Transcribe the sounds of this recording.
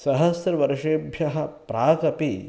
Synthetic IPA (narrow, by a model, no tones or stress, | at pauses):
sɐɦɐsɾɐʋɐɾʂeːbʱjɐɦɐpɾaːkɐpi